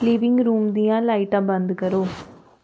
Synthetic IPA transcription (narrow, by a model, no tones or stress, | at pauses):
liʋɪŋɡɾuːmd̪ijãːlɐɪʈãːbɐnd̪ɯkɐɾoː